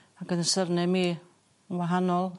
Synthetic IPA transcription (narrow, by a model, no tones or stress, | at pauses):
akənəsərnɛmi | ənwaɦanɔlˠ